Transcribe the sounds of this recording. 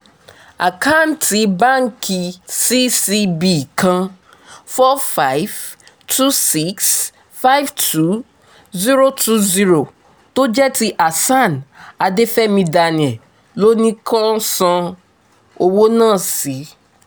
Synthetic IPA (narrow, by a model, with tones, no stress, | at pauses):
a̰˨kʰa˦˨n˨tʰi˨˦bã˦ŋ˨kʰi˨si˦si˦bi˨kʰã˦ | fɔ˦fa˨˦ɪv | tʰu˦si˨˦ks | fa˦jvtʰu˦ | zi˦ɾo˦tʰu˦zi˦ɾo˨ | to˦d͡ʒɛ˦ti˦ʔa˨sã˦˨na˨de˦fɛ˦mĩ˧da˨nɪ̃˨ɛ̃˨ | lo˦nĩ˦kʰɔ̃˦n˦sɔ̃˦ | o˦wo˦nãː˦˨si˨˦